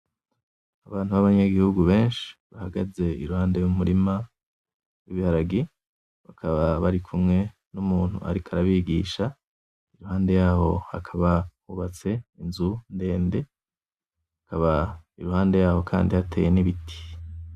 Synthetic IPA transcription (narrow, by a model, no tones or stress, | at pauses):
aβaːnhuβaβaɲaɡihuɡuβe̞ːnʃi̥βahaɡaze̞iɾuhaːnde̞jumuɾima | wiβihaɾaɡi | βakʰaβaβaɾikʰumŋe̞ | numuːn̥hṵa̰ɾikʰaɾaβiɡiːʃa | iɾuhaːnde̞jaːho̞̰hakʰaβahuβat͡se̞inzunde̞ːnde̞ | hakʰaβaiɾuhaːnde̞jaːho̞kʰa̰ːndihatʰḛːje̞niβitʰi̥